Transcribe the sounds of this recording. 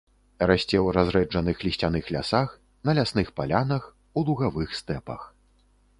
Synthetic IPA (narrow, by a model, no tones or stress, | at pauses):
ɾasʲt͡sʲɛwɾazɾɛd͡ʐɐnɨxlʲisʲt͡sʲan̪ɨxlʲa̰sax | n̪ɐlʲasnɨxpalʲanɐx | ulˠuɣavɨxst̪ɛpɐ̰x